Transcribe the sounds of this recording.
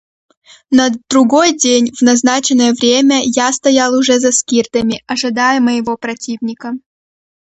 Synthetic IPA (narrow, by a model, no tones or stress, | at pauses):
nəd̪ɾʊɡo̞jdʲenʲvnɐznat͡ɕɪnəjəvɾʲemʲəjast̪ɐjalˠʊʐɛzɐskʲirt̪əmʲɪɐʐɨd̪ajəməjɪvopɾɐtʲivnʲɪkə